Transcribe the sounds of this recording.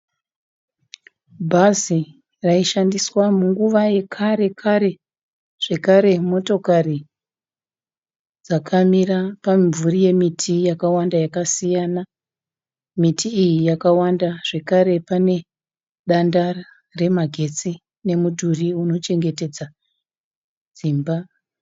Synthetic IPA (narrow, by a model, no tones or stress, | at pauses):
bʱazi | raiʃandiswamuŋɡuʋaje̞kʰaɾe̞kʰaɾe̞ | ʐ̥e̞kaɾe̞mo̞to̞kari | d͡zakʰamirapaiɱvurije̞mitʰijakawandajakasijana | mitʰiːjijakawandaʐ̥e̞kaɾe̞pane̞ | ɗanda | re̞maɡʱe̞t͡si | ne̞mudʱuriuno̞t͡ʃe̞ŋɡe̞te̞d͡za | d͡zimba